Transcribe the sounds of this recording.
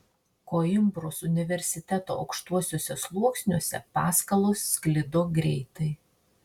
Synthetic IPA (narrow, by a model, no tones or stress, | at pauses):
koːɪmbɾosʊnʲɪʋʲɛɾʲsʲɪt̪ʲɛt̪o̰ːɐ̰ʊkʃt̪uɔsʲoːsʲɛslˠuɔksʲnʲuɔsʲɛ̰pɑːskɐlˠoːsːʲklʲɪd̪oːɡɾʲɛɪt̪ɐɪ